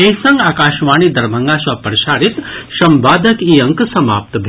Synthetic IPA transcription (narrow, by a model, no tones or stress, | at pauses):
esɐ̃ŋɡaːkaːʃʋaːɳiːd̪ɐɾmʱɐŋɡaːʃʋapəɾʃaːɾit̪ʃɐmbaːd̪ʱɐkiːɐŋksɐma̰ːp̚t̪bʱ